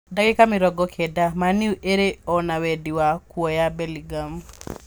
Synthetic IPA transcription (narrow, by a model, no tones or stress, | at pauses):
daɡɪkamɪɾɔɡɔkʰedamaniuʔeɾeɔnawediwakwɔjabeliɡam